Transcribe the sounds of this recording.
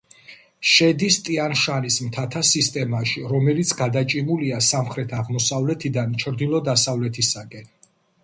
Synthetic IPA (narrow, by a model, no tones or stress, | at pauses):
ʃɛd̪ist̪ʼianʃanismt̪ʰat̪ʰasist̪ʼɛmaʃiɾɔmɛlit̪sʰɡad̪at͡ʃʼimuliasamχɾɛt̪ʰaʁmɔsavlɛt̪ʰid̪ant͡ʃʰɾd̪ilˠɔd̪asavlɛt̪ʰisakʼɛn